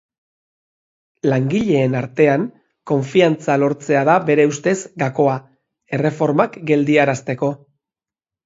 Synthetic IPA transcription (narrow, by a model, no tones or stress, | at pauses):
laŋɡiʎe̞ːnaɾt̪e̞aŋ | ko̞ɱfiant͡salo̞ɾt͡se̞aðaβe̞ɾe̞ust̪e̞zɡako̞a | e̞re̞fo̞ɾmakɡe̞ld̪iaɾast̪e̞ko̞